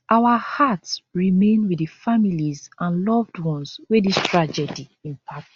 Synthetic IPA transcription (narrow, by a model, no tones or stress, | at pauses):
ʔawahatsɹimẽnwidɨfamilizãnlɔvdwɔ̃nswedistʰɹad͡ʒɛdiĩmpʰak̚